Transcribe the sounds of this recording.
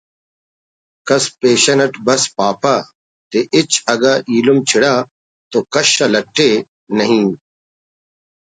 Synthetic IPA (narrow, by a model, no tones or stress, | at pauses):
kɐspeːɕɐnɐʈbɐspaːpaː | t̪eʔɪt͡ɕɐɡaːʔiːlumt͡ɕʰɪɽaː | t̪oːkɐʃɐlɐʈʰːe | nɐɦĩː